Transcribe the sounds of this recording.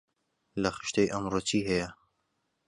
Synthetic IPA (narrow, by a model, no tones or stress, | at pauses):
lɐxɨ̥ʃt̪ejʔɐmroːt͡ʃʰiːɦɐjɐ